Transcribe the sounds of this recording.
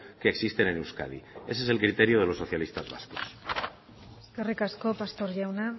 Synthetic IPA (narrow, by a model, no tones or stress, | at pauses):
ke̞ːksist̪e̞nenewska̰ð̞ḭe̞s̬e̞s̬e̞lkɾit̪eɾjoð̞e̞lo̞sːo̞θjalist̪azβa̰sko̥s | skerikaskopast̪oɾʝawna